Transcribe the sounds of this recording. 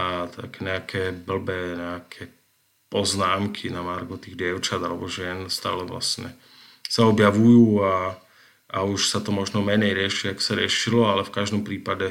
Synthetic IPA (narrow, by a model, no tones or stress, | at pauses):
at̪ʰa̰kɛːɲɛakʰɛːbl̩bɛːɲɛakʰɛː | pɔznaːmkʰinamaɾɡɔt̪iːɣdɪɛʊt͡ʃad̪alɛbɔʒɪɛnst̪a̰ːlɛʋla̰sɲɛ̰ | saɔbjaʋujuːa | auʃsat̪ɔmɔʒnɔmɛɲɛjɾɪɛʃiakɔ̥saɾɪɛʃilɔalɛfkaʒd̪ɔmpɾiːpaɟɛ